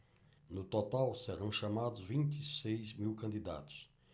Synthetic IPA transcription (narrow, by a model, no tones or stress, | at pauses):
nʊt̪ot̪awsɛɾɐ̃w̃ʃamad̪ʊzvĩnt̪isejzmiwkɐ̃nd̪id̪a̰t̪ʊ̥s